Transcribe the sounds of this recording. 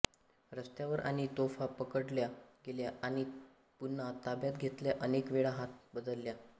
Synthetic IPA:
ɾəst̪jaʋəɾʔa̰ɽ̃it̪ofapəkəɽljaɡeljaʔaɽ̃i | punːat̪abjat̪̚ɡʱet̪ljaʔənekʋeɭaɦat̪̚bəd̪əlːja

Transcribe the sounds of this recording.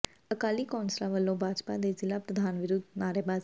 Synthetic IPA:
əkaːliːkɔːnsɾaːʋəlːõːbʱaːd͡ʒpa̰ːd̪eːzɪlaːpɾəd̪ʱaːnʋɪɾʊd̪naːɾebaː

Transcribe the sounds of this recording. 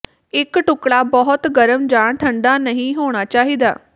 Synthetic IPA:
ɪkʈʊkɽaːbɔɦʊt̪ɡəɾəmd͡ʒaːɳʈʰəɳɖaːnəɦĩːɦoːɽ̃aːt͡ʃaːɦiːd̪a̰ː

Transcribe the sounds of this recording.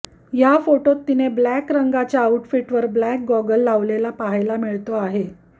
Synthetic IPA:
jafoʈot̪ːineblækɾəŋɡat͡ɕjaːuʈfiʈʋəɾblæk̚ɡɔɡəlːaʋlelapaɦajlamiɭt̪oaɦe

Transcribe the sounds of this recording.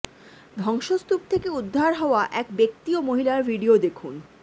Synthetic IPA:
d̪ʱɔŋʃost̪up̚t̪ʰekeud̪ʱːaɾɦɔoaʔɛkbek̚t̪iomoɦilaɾbʱiɖiod̪ekʰun

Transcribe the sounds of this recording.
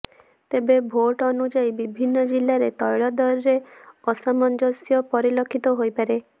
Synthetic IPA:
t̪ebebʱoʈɔnud͡ʒajbibʱinːɔd͡ʒilːaɾet̪ɔjɭɔd̪ɔɾɾeɔsamɔnd͡ʒɔsjɔpɔɾilɔkʰit̪ɔɦojpaɾe

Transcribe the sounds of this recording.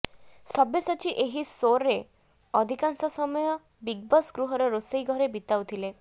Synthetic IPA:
sɔbesɔt͡ʃʰiʔeɦisoɾːe | ɔd̪ʱikansɔsɔmɔjɔ | biɡ̚bɔsɡɾuɦɔɾɔɾosejɡʱɔɾebit̪awt̪ʰile

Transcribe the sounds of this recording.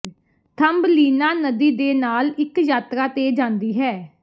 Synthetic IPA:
t̪ʰəmbliːnaːnəd̪iːd̪eːnaːlɪkjaːt̪ɾaːt̪eːd͡ʒãːnd̪iːɦɛː

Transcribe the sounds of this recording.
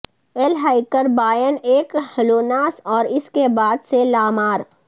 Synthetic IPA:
elɦaːɪkəɾbaːjəneːkhɐloːnaːsɔːɾɪskebaːd̪selaːmaːɾ

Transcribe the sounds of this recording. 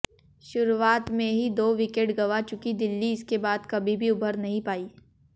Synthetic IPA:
ʃʊɾuaːt̪mẽɦid̪oːʋɪkeːʈɡɐʋat͡ʃʊkid̪ɪlːiɪskebaːd̪kɐbʱibʱiʊbʱəɾnɐɦĩpaːiː

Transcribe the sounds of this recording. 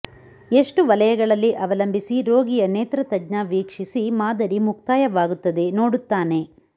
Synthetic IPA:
e̞ʂʈuʋɐlɐjɐɡɐɭɐlːiʔɐʋɐlɐmbʱisiɾo̞ːɡijɐneːt̪ɾɐt̪ɐd͡ʒnɐʋiːkʂisimaːd̪ɐɾimuk̚t̪aːjɐʋaːɡut̪ːɐd̪e̞noːɽut̪ːaːne̞

